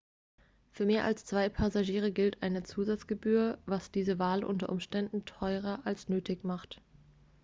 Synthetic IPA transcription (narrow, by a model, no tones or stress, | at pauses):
fyːɐmeːɐʔa̰lst͡sv̥aɪpʰazaʒiːʁ̞əɡɪltʔaɪnət͡suːzat͡sɡ̥əbyːɐvasd̥iːzəvaːlʔʊ̰ntɐʔʊmʃtɛndn̩tʰɔʏʁ̞ɐʔalsnøːtʰɪçmaχt